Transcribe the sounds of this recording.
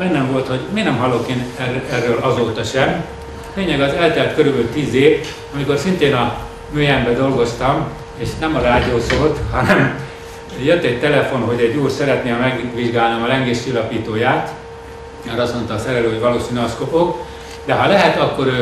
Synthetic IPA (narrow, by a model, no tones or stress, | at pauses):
ɛnːɛɱvo̞lt̪ho̞ɟmeːnɛmɦɒlːokeːnɛrːøːlʔɒzoːt̪ɒʃɛm | feːɲɛɡɒzɛlt̪ɛlɛt̪køɾybylt̪iːzeːv | ɒmiko̞rsint̪eːnɒ | møːjɛmbɛd̪o̞lɡo̞st̪ɒm | eːʃnɛmɒɾaːd̪ioːsoːt̪hɒnɛm | jøt̪ːɛc̚t̪ɛlɛfo̞nɦo̞ɟɛɟːuːrsɛɾɛt̪neːɒmɛɡʋiʒɡaːlnɛmɒlɛŋɡeːʃt͡ʃilːɒpiːt̪oːjaːt̪ | mɛɾɒst̪mo̞nt̪ɒːsɛɾɛløːɦoɟvɒloːsinskopok | d̪ɛɦɒlɛɦɛt̪ɒkːo̞ɾøː